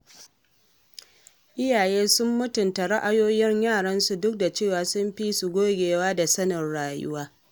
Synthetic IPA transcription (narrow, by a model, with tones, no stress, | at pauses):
ʔɪ˦jaː˨jeː˦sʊ˦mːʊ˦tʊ˨nta˨ɾa˦ʔa˨joː˦jɪ˦ɲjaː˦˨ɽɐ˦nsu˨dʊ˦k̚da˨t͡ʃeː˦˨waː˨sʊ˦mɸi˦su˨ɡʷoː˦ɡʲeː˨waː˦da˨sɐ˦nɐ˨rɽaː˨jʊ̰˦waː˦